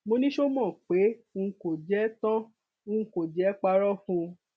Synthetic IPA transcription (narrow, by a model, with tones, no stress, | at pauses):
mo˧nĩ˦ʃo˦mɔ̃˦˨k͡pe˨˦ũ˧˦ko˨d͡ʒɛ˨˦tɔ̃˦ | ũ˧˦˧ko˨d͡ʒɛ˨˦k͡pa˧ɾɔ˦fũ˧